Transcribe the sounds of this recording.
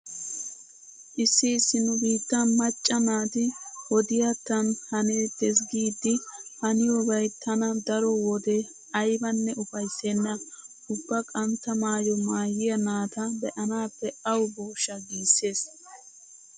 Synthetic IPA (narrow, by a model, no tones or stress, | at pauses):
ʔɪsːɪɪsːɪnʊbiːt̪ːɐmɐt͡ʃʼːɐnaːt̪ɪwɔd̪ɪjat̪ːɐnhɐneːd̪̥ɛs̬ɡiːd̪ːɪhɐnɪjɔbɐjt̪ʰɐnɐd̪ɐɾɔwɔd̪ɛ | ɐjbɐnːɛʊfɐjsːenːɐ | ʊbːɐkʼɐnt̪ɐmaːjɔmaːjɪjɐnaːt̪ɐbɛʔɐnaːpːɛɐwʊboːʃːɐɡiːsːe̞ːs